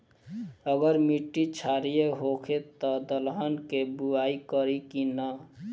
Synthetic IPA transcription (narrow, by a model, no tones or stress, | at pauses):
əɡəɾmiʈːit͡ʃʰaɾijeɦokʰet̪ɔd̪əlɦənkebuaikəɾikinə